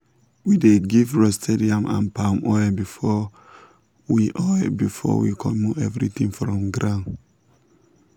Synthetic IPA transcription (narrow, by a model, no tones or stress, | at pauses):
wideɡivɹɔstʰeɾiãmʔã̰npamʔɔɛbifɔ | wiʔɔɛbifɔ̰wḭkʰɔ̃moɛvɹit̪ĩŋfɾɔ̃mɡɾãn